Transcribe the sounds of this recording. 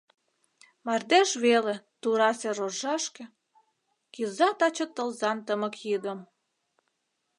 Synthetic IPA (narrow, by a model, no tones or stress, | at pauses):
mɑrd̪æʃβelĕt̪uɾɑseroʒɑʃkĕ | kilzɑt̪ɑt͡ɕə̆t̪ːəlzɑnt̪əmə̆kjəd̪əm